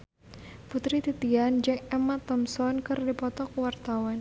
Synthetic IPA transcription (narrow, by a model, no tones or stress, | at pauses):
put̪ɾit̪it̪iand͡ʒaŋɛmat̪ɔmsɔnkɨrdipɔt̪ɔk̚wart̪awan